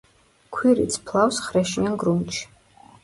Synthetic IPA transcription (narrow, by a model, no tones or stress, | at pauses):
kʷʰiɾḭt̪t͡sʰpʰlˠawsχrɛʃijanɡrumt͡ʃʰ